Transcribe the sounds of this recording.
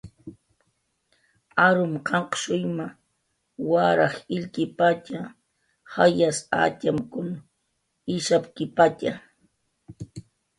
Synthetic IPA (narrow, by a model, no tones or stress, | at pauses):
aɾʊmqʰɑɴqʃʊjma | waɾɑχɪʎkɪpat͡ʃa | hajasa̰tamkʊn | ɪʃapkɪpat͡ʃa